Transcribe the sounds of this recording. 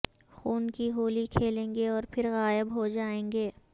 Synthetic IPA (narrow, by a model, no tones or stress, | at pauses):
xuːnkiɦoːlikʰeːlẽːŋɡeɔːɾpʰɪɾɣaːɪbɦod͡ʒaːẽːŋɡeː